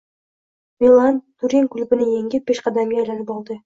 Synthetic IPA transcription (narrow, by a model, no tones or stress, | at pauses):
milˠant̪ʰuɾiŋkʰʲʊlbɪnɪjeŋʲɪb̥eʃqʰɑd̪amɡʲeajlanɪpɑlˠd̪ɪ